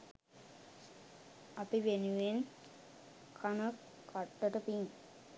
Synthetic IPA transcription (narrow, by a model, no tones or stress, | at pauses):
ɐpiʋenuʋen | kʰanə | kʰaʈːəʈəpiŋ